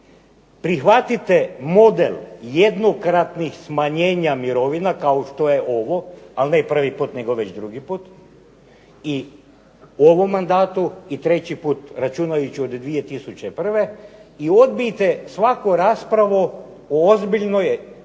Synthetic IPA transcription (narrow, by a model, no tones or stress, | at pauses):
pɾixʋat̪it̪emo̞d̪eljed̪no̞kɾat̪nixsmaɲe̞ːɲamiɾo̞ʋinakaoʃt̪o̞je̞ʔoʋo̞alnepr̩ʋipuːt̪neɡo̞ʋe̞t͡ɕd̪ɾuɡipuːt̪ | i | oʋomːand̪aːt̪uit̪ɾe̞t͡ɕipuːt̪ɾat͡ʃunajut͡ɕio̞d̪d̪ʋije̞t̪isut͡ɕe̞pr̩ʋe̞io̞d̪̚biit̪e̞sʋakoɾaːspɾaʋo | oozbiʎno̞j